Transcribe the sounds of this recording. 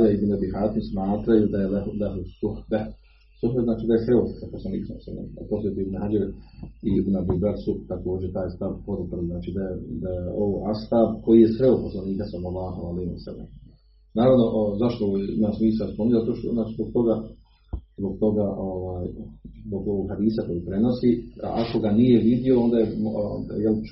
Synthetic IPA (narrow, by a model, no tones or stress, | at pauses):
laibnabihaːt̪imsmaːt̪ɾajud̪ajellaɦusuhba | suɦbeznaːt͡ʃiːd̪ajexɾeoːssaposlaniːksaosa̰na̰a̰po̞sljet̪iibnuɦad͡ʒaɾiibunabibaɾsut̪ako̞ːd͡ʑet̪aːjst̪abpod̪upɾeliznaːt͡ʃid̪ajed̪ajeoʋoʔast̪aːbko̞jijesʋeuposlˠaniːkasalmolːaːɦoalehiiwasa̰lːḛm | naːɾaʋno̞ʔzaʃt̪ojeimasmiːsaospomiɲzat̪oʃt̪onaːt͡ʃizbo̞ɡ̚t̪o̞ɡa | zbo̞ɡt̪o̞ɡaʔo̞ʋaːjzbo̞ɡoʋoɡhad̪iːsako̞jipɾe̞no̞sia̰ko̞ɡanije̞ʋid̪io̞ond̪ajejel